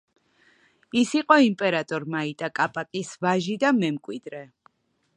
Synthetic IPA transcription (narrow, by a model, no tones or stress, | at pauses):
isiqʼɔimpʼɛɾat̪ʼɔɾmait̪ʼakʼapʼak̪ʼisvaʒid̪amɛmkʼwid̪ɾɛ